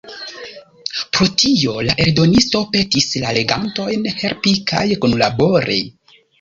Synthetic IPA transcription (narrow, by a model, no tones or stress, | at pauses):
pɾo̞tʰio̞laʔe̞ɾdo̞nisto̞pe̞tislale̞ɡanto̞jnhe̞ɾpika̰jkunlabo̞ɾʔḛj